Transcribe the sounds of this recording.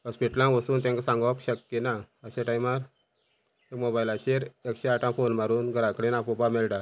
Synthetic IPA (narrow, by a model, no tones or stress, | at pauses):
əspiʈlãʋəsuːnt̪ɛ̃ŋkasãŋɡakɕəkjena | əɕeʈajmaɾ | ekmobailaɕeɾekɕeaʈãfonmaɾuːnɡʱəɾãkɽenapupamɛlʈa